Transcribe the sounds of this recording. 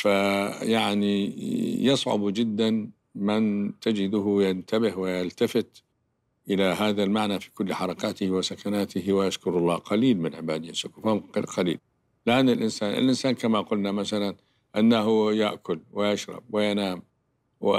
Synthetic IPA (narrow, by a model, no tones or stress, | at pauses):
fajaʕnijɑsˤʕʊ̰bd͡ʒɪd̪ːan | mɪnt̪ad͡ʒɪd̪ʊɦjant̪abɪhwɪjalt̪afɪt̪ | ʔɪlaɦaːðalmaʕnafi̥kʊlːħɑɾˤɑkaːt̪ɪhwɪsakanaːt̪ɪhwɪʔaʃkʊɾɑlˤːɑːqɑliːlmɪnʕɪbaːd̪ɪjasʊkufmqɑlḭːl | lɪʔanːɪlʔɪnsaːnʔɪ̰lʔɪnsaːnkamaqʊlnamaθalan | ʔanːaɦʊjaʔkʊlwɪjaʃɾˤɑ̰b̚wɪjanaːm | wɪ